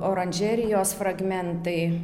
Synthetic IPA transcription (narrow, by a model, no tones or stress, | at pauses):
oːɾɐnʲʒʲɛːɾʲɪjoːsfɾɐɡmʲɛnt̪ɐɪ